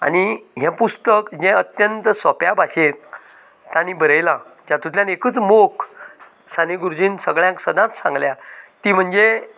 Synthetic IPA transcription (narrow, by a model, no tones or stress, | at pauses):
a̰niɦãpust̪əkd͡ʑɛ̃ət̪jənt̪sɔpjabaɕẽ | t̪ãnibəɾəjlad͡ʑãt̪ut̪ljãnekəːt͡smok | saneɡuɾd͡ʑiːnsəɡɭjãŋksəd̪ãt̪sã̰ŋɡljat̪im̤əɳd͡ze